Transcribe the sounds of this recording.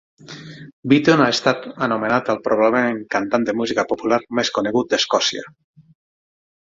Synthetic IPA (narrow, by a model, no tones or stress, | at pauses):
bit̪onaest̪at̪ənumenat̪əlˠpɾoβ̞aβlemeŋkant̪and̪emuzikapopulaɾmeskuneɣut̪̚d̪eskɔsia̰